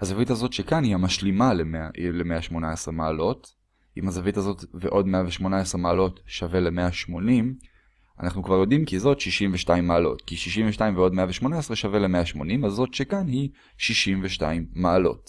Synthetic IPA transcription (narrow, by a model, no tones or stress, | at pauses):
hazavitazo̞tʃekanhihamaʃlimalemealemeaʃmo̞naesʁemaːlo̞t | ʔimhazavitazo̞tveʔo̞dmeaveʃmo̞naesʁemaːlo̞tʃave̞lemeaʃmo̞nim | a̰naχnukvaʁjo̞dimkizo̞tʃiʃimveʃtaimːaːlo̞̰tkiʃiʃimveʃtaimveo̞dmeaveʃmo̞naesʁeʃavele̞meaʃmo̞nimazːo̞tʃekanhi | ʃiʃimveʃta̰imːaːlo̞̰t